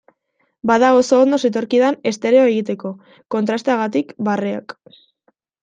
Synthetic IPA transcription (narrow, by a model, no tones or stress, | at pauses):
baðaɣo̞soond̪o̞se̞t̪o̞ɾkiðane̞st̪e̞ɾe̞oe̞ɣ̞it̪̬e̞ko̞ | ko̞nt̪ɾast̪eaɣat̪̬ikbarea̰k